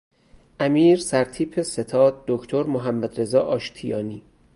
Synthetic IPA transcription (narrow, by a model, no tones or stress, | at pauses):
ʔæmiːɾsæɾt̪ʰiːpʰese̞t̪ʰɒːd̪̚d̪okʰt̪ʰoɾmoɦæmːæd̪ɾe̞zɒːʔɒːʃt̪ʰijɒːniː